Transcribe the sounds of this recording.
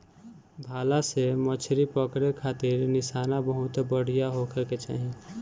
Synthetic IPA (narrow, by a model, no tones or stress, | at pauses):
bʱaːlasemət͡ʃʰɾipəkɾekʰaːt̪ɪɾnɪsaːnabəɦʊt̪bəɽ̤ijaɦokəket͡ʃa̰ːɦi